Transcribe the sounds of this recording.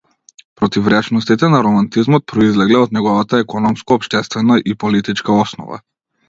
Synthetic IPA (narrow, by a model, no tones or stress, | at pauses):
pɾɔt̪ivɾɛt͡ʃnɔst̪it̪ɛnaɾɔmant̪izmɔt̪̚pɾɔizlɛɡlɛɔd̪nɛɡɔvat̪aɛkɔnɔmskɔːpʃt̪ɛst̪vɛnaʔipɔlit̪it͡ʃkaɔsnɔ̰va̰